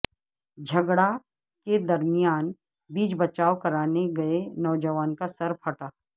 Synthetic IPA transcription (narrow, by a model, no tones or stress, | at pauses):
d͡ʒʱɐɡɽa | ked̪ɐɾmijaːn | biːd͡ʒbɐt͡ʃaːokɐɾaːneɡɐenɔːd͡ʒəʋaːnkasɐɾpʰɐʈaː